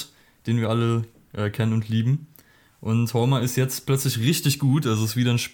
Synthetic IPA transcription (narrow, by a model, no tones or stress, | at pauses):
d̥eːnviːɐʔalə | ʔɛːkʰɛnənʊntʰliːbm̩ | ʔʊnthɔːmaɪstjɛt͡stpʰl̥œt͡slɪçʁɪçtɪçɡ̥uːtʔalzoɪstv̥iːdɾɐnʃ